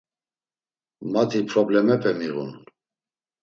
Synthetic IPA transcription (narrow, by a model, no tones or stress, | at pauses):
mat̪ʰipʰɾɔblɛmɛpʰɛmiɣṵn